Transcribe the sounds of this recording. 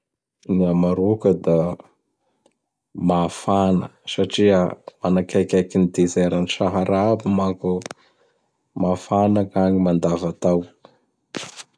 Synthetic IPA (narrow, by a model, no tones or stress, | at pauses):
niamaɾukəd̪a | mafanə̰saʈ͡ʂiəmanakakʲakinid̪ezeɾaniʃaɦaɾabimaku | mafanakaɲimand̪avat̪aw